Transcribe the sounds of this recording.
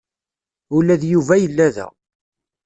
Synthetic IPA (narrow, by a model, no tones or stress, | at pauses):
ulæðjuvæjəlːæðæ̰